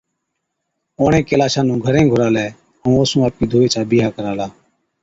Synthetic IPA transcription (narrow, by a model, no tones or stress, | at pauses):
oːɳẽːkeːlaːʃaːnũːɡʱəɾẽːɡʱʊɾaːlɛː | ɦũːoːsũːaːp̚kiːd̪ʱuːeːt͡ʃaːbiːɦaːkəɾaːlaː